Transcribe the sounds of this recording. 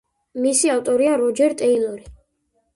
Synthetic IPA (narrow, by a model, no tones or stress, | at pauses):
misiaft̪ʼɔɾiaɾɔd͡ʒɛɾt̪ʼɛilˠɔɾi